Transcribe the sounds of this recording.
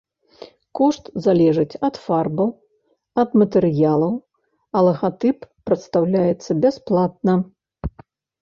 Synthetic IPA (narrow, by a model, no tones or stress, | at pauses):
kɔʂt̪zalʲɛʐɨt͡sʲɐt̪farbɐw | ɐd̪mɐt̪ɛɾɨjalˠɐw | ɐlˠɐɣat̪ɨpːɾɐt̪st̪awlʲajɛt̪sːɐbʲɛsplˠat̪̚nɐ